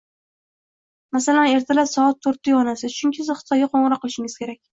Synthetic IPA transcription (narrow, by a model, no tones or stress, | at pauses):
masalane̞ɾt̪ʰalapsɒat̪ʰːoɾt̪ːɪjɒnasɪt͡ʃʰʊŋkʲʰɪsɪzχɨ̥t̪ʰɒjɡaqʰoɴɾɒqːɨlɪʃɪŋɪz̥kʲʰe̞ɾak̚ʲ